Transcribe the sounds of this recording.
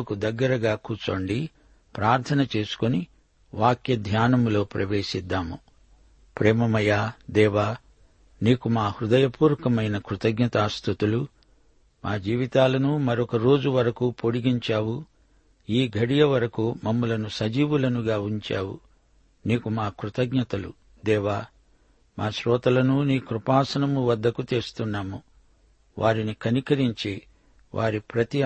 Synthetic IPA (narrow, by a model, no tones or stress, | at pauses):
kud̪ɐɡːɐɾɐɡaːkuːt͡ʃoːɳɖi | pɾaːɾt̪ʰɐnɐt͡ʃe̞ːsu̥koni | ʋaːkjɐd̪ʱjaːnɐmlo̞ːpɾɐʋe̞ːʃid̪ːaːmu | pɾeːmɐmɐjaːd̪ɛːʋaː | niːkumaːhɾud̪ɐjɐpuːɾɐkɐmɐjnɐkɾut̪ɐɡɲɐt̪aːst̪ut̪ulu | maːd͡ʒiːʋit̪aːlɐnumɐɾɔkɐɾo̞ːd͡ʒuʋɐɾɐkupo̞ɽiɡiɲt͡ʃaːwu | iːɡʱɐɽijɐʋɐɾɐkumɐmːɐlɐnusɐd͡ʒiːʋulɐnuɡaːuɲt͡ʃa̰ːwṵ | neːkumaːkɾut̪ɐɡɲɐt̪ɐlṵ | d̪ɛːʋaː | maːʃɾɔːt̪ɐlɐnuniːkɾupaːsɐnɐmuʋɐd̪ːɐkut̪eːst̪unːaːmu | ʋʔaːɾinikɐnikɐɾiɲt͡ʃeː | ʋʔa̰ːɾipɾɐt̪i